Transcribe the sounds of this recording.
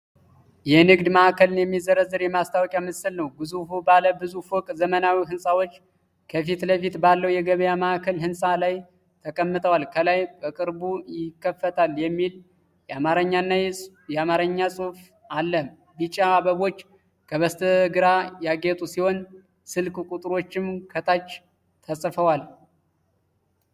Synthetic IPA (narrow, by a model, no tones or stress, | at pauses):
jɛnɨɡd̪məakəlɨnjɛmːizəɾəzːəɾjɛmast̪ʰawɔkʼjamɨsɨlnəwbɨzufubaləbɨzufokʼzəmənawiɦɨnsʼawo̞t͡ʃː | kʰəfit̪ləfit̪balːəwjɛɡəβjaməʔakʰəlɦɨnsʼalaj | t̪ʰəkʼəmːɨt̪ʼʰəwalkʰəlajbəkʼɨɾbujɪkːəfːət̪ʰaljɛmːil | jɛamaɾəɲːanːajɛ | jɛamaɾəɲːasʼuf | alːəm | bit͡ʃʼaːβəβo̞t͡ʃː | kʰəβəst̪ʰəɡɨɾajaɡet̪ʼusiho̞n | sɨlkkʼut̪ʼɨɾo̞t͡ʃːɪmkʰət̪ʰat͡ʃː | t̪ʰəsʼfəwal